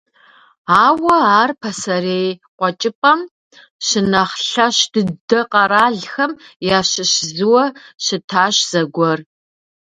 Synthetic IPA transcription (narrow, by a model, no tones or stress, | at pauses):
aːwɐaːrpʰɐsɐɾeːjqʷɔt͡ʃʼɪpʼɐm | ʃɪnɐχɬɐɕd̥ɨdɐqɐɾaːɮxɐmjaːɕɪɕzɨwɐʃɪtʰaːɕz̥ɐɡʷɔr